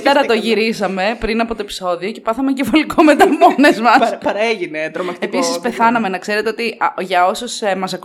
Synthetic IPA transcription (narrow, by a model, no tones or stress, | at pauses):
t̪eɾɐt̪o̞ʝiɾisɐme̞pɾinɐpot̪o̞epi̥so̞ðio̞ce̞pɐθɐmeɲɟefolikome̞t̪ɐmo̞nezmɐspɐɾɐeʝinet̪ɾomɐepisispe̞θɐnɐme̞nɐkse̞ɾe̞t̪e̞ot̪iʝɐo̞susemɐsɐk